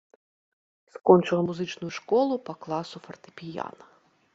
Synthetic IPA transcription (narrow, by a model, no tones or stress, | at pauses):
skɔnt͡ʂɨɣɐmuzɨt͡ʂnʊjuʂkɔlˠupɐklˠasufɐrt̪ɨ̥pʲija̰nɐ